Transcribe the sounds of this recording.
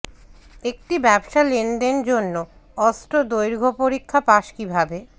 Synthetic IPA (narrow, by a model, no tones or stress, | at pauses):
ek̚ʈibɛbʃalenɖend͡ʑonːo | ɔstɾod̪ojɾɡʱopoɾikʰːapaʃkibʱabe